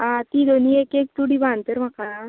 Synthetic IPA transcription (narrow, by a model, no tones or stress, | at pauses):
ãt̪id̪ʱoniekek̚t̪uɽibant̪əɾm̤aka